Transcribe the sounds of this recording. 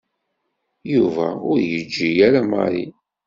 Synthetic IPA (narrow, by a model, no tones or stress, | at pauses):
juvæʊɾjəd͡ʒːijæɾæmɑ̰ɾḭ